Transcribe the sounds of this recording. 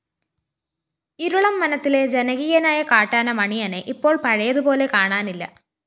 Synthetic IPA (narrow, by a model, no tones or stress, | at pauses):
iɾuɭɐmːɐnɐt̪ːile̞d͡ʑenɐɣiːjɐnaːjɐkaːʈːaːnɐmɐɳijɐneʔipːo̞ːɭpɐɻɐjɐðupo̞ːle̞kaːɳaːnilːɐ̰